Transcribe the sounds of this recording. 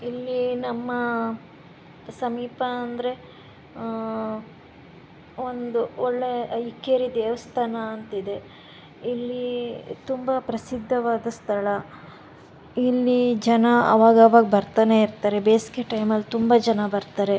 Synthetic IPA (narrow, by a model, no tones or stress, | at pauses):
ilːinɐmːɐ | sɐmiːpɐːnd̪ɐɾe̞ | ond̪uoɭːe̞ikːeːɾid̪eːʋɐst̪ʰaːnɐːnt̪id̪e̞ | ilːit̪umbɐpɾɐsid̪ʱːɐʋaːd̪ɐst̪ʰɐɭɐ | ilːid͡ʒɐnɐɐ̰ʋaːɡɐːʋaːɡɐbɐɾt̪aːne̞iɾt̪aːɾe̞beːsi̥keʈːɐjmɐlːt̪umbad͡ʒɐnɐbɐɾt̪aːɾe̞